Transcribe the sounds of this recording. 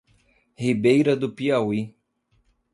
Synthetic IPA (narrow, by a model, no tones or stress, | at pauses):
hibejɾɐd̪ʊpiawi